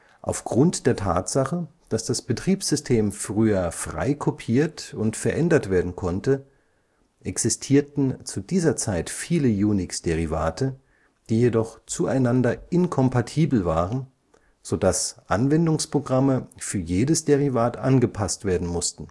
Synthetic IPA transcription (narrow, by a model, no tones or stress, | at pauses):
ʔa̰ʊfɡ̥ʁʊntd̥eːɐtʰa̰ːtz̥aχə | d̥asd̥asb̥ətʁ̥iːpsz̥ʏstʰeːmfʁ̥yːɐfʁ̥a̰ɪkʰopʰiːɐtʊntfɛɐʔɛndɐtv̥eːɐdn̩kʰɔntə | ʔɛksɪstʰiːɐtn̩t͡sudiːzɐt͡saɪtfiːləjuːnɪksd̥eʁivaːtʰə | d̥iːjedɔχt͡suʔaɪnandɐʔɪnkʰɔmpatʰiːbl̩vaːʁən | z̥odasʔanvɛndʊŋspʁ̥oɡʁaməfyːɐjeːdəsd̥eʁivaːtʔa̰nɡəpʰastv̥eːɐdn̩mʊstn̩